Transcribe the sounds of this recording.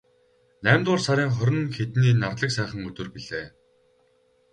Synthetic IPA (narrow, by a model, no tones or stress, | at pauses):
næːmt̪ʊːrsaɾʲiːŋχœɾʲɪ̆nxet̪niːnart̪ɮə̆ksæːχə̆ŋɵt̪ɵ̆rpiɮeː